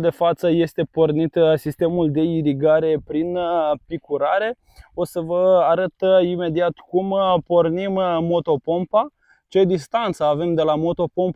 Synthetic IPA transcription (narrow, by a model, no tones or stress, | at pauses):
d̪e̞fat̪səje̞st̪e̞po̞rnit̪sist̪e̞muld̪e̞iɾiɡaɾe̞pɾinpikuɾaɾe̞ | o̞səvəaɾət̪ime̞d̪iat̪kumpo̞rnimːo̞t̪o̞po̞mpa | t͡ʃe̞d̪ist̪ant̪səave̞md̪e̞lamo̞t̪o̞po̞mp